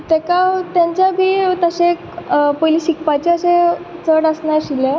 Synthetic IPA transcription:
t̪ɛkat̪jãɲt͡ɕjabʱiːt̪əɕẽkpojliɕikpat͡ɕeəsẽt͡səɽəsnaɾɕile

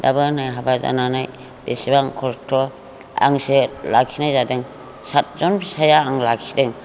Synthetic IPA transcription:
dabɯnajɦabaza̰nanaj | besibaŋkʰɔɾtʰɔ | a̰ŋselakʰinajzadɯŋ | sat̚zɔnsajaːŋlakʰidɯŋ

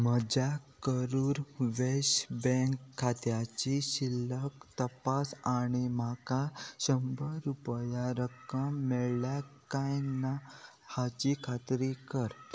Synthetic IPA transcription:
məd͡ʑakəɾuːɾʋeɕbɛ̃ŋkʰːat̪jat͡ɕiɕilːəkt̪əpasaɽ̃imakaɕəmbəɾupjaɾəkəmːɛɭljakajna | hat͡ɕikʰat̪ɾikəɾ

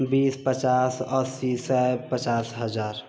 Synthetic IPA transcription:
biːspət͡ʃaːsəsisapət͡ʃaːsɦəd͡ʒaːɾ

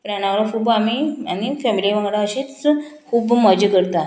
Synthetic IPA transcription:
pəɳjanaʋɽəkuːbamianifɛmiliʋə̃ŋɡɽaəɕet͡skʰuːbməd͡ʑəkəɾt̪a

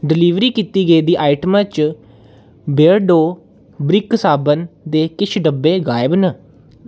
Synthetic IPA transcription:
ɖɪliːʋɾiːkiːt̪iːɡəiːd̪iːʔaːiʈəmãːt͡ʃ | beɾɖoː | bɾɪksaːbənd̪eːkɪt͡ʃʰɖəbːeːɡaːɪbnə

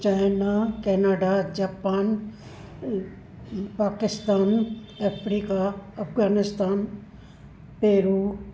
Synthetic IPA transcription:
t͡ʃaːjnakɛːnaːɖad͡ʑaːpaːn | paːkɪst̪aːn | ɐfɾiːkaɐfɣaːnɪst̪aːn | peːɾuː

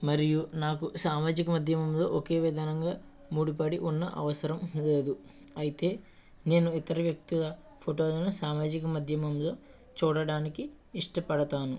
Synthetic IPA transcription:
mɐɾijunaːkusaːmaːd͡ʒikɐmɐd̪ʱjɐmɐmlo̞̰ːʔoke̞ːʋɛd̪ɐnɐŋɡaː | muːɽipɐɽiʔunːɐ̰ʔɐ̰ʋɐsɐɾɐmle̞ːd̪u | ɐjit̪e̞ː | ne̞ːnuit̪ɐɾɐʋjɐk̚t̪iɡɐ | pʰoʈo̞ːlnosaːmaːd͡ʒikɐmɐd̪ʱjɐmɐmlo̞ː | t͡ʃuːɽɐɽaːnikiː | ʂʈɐpɐɽɐt̪aːnu

